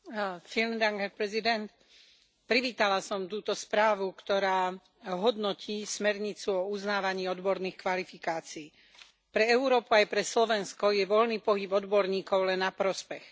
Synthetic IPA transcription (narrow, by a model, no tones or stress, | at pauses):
filnd̪aŋɡɦɛɾpɾɛzid̪ɛnt̪ | pɾiʋiːt̪alasɔmt̪uːt̪ɔspɾaːʋukt̪ɔɾaː | ɦɔd̪nɔcʰiːsmɛɾɲit͡suɔuznaːʋaɲiːɔd̪bɔɾniːxkʋalifikaːt͡siː | pɾɛɛʊɾɔːpuajpɾɛslɔʋɛnskɔjɛʋɔlniːpɔɦibɔd̪bɔɾɲiːkɔʊlɛnːapɾɔspɛx